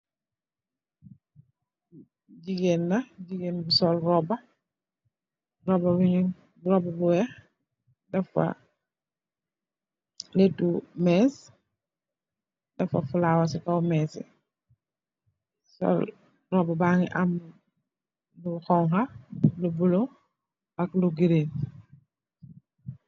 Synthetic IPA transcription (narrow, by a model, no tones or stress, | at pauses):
ɟiɡenːɐɟiɡenbusɔlrɔbɐ | rɔbɐbuɲu | buɾɔbabuwɛ | dɛfa̰ | letumɛs | dɛfɐ̰fulawas̬ikaumɛsḭ | sɔ̰l | rɔbɐbaŋḭʔam | luxɔŋhɐlubulo | akluɡiɾeːn